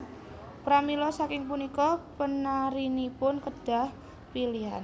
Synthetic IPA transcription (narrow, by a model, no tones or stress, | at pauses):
pɾamilɔsakɪŋpunikɔpənaɾinipʊnkəd̥a̤h | pilian